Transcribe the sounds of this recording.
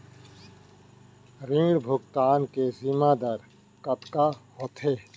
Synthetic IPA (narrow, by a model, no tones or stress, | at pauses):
ɾĩŋɡɽbʱʊɡt̪aːnkezimad̪əɾ | kɐt̪kahot̪ʰeː